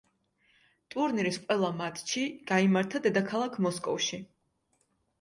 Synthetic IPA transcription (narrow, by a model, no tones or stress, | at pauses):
t̪ʼuɾniɾisqʼwɛlˠamat̪ʰʼʃʰiɡ̥aimaɾt̪ʰad̪ɛd̪akʰalˠakʰmɔskʼɔ̰fʃi